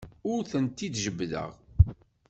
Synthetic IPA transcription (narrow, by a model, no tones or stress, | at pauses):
ʊɾθənt̪id̪ʒəbːðə̰ʁ